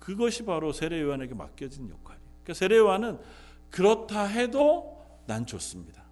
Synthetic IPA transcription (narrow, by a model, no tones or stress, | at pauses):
kɯɡʌɕʰibaɾosʰe̞ɾe̞joane̞ɡe̞ma̰k͈̚jʌd͡ʑinjo̰kʰwaɾiik͈asʰe̞ɾewanɯn | kɯɾʌtʰaɦe̞do | nant͡ɕʰos͈ɯmɲid̥a